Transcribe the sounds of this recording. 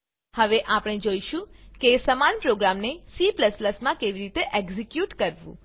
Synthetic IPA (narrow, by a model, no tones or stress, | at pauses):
həʋeʔapəɽ̃ed͡ʒoiʃũkesəmanpɾoɡɾamnesipləspləsmãkeʋiɾit̪eʔɛɡzikjuʈkəɾʋṵ̃